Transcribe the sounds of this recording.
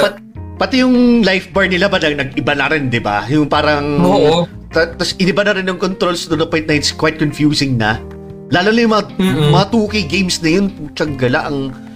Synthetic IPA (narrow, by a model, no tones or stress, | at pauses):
pɐt̪ | pɐt̪ɪjʊŋlajfbɐɹnɪlabɐnɐnɐɡ̚ɪbanɐɾɪnd̪ɪba̰jʊŋpaːɾɐŋo | t̪ɐt̪ɐsɪnɪbanɐɾɪnjɐŋkont̪ɾo̞lsd̪onɐpwɛjnt̪nɐɪt̪skwajt̪̚konfjuːsɪŋnɐ | laːlonɐjʊ̃ŋmɐŋamɐŋat̪uːkɪjɡejmsnɐjonpʊŋt͡ʃɐŋɡɐla̰ʔɐŋ